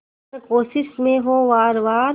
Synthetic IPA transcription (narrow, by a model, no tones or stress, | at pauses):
koːʃɪsmẽɦoʋaːɾʋaːɾ